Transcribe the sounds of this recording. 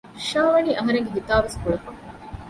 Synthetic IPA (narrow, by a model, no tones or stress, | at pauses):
ʃaːʋɐniːʔɐɦɐɾeŋɡeɦit̪aːʋeskuɭɐfɐ